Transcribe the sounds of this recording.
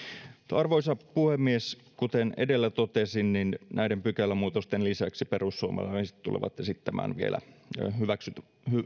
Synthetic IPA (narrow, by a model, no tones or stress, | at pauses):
t̪ɑrʋoisɑpuhemːies | kut̪enḛdelːæt̪ot̪esinninnæidempykælːæmuːt̪ost̪enlisæksiperusːuomḛlːɑisi̥t̪t̪ṵlḛʋɑ̰t̪jɑsit̪ːæmæ̰ːnʋiḛlʔæ̰hyʋæksyt̪ | hy